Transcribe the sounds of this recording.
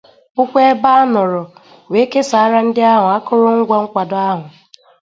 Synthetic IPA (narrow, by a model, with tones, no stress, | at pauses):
ʊ˦kʷe˦ba˦nʊ˨ɾɔ˨ | we˨˦ke˦sa˨a˦ɾa˦n̩˦dɪ˦a˦ɦʊ˨a˦kʊ˦ɾʊ˦ŋ̩˦ɡʷa˦ŋ̩˦kʷa˨dʊ˦a˦ɦʊ˨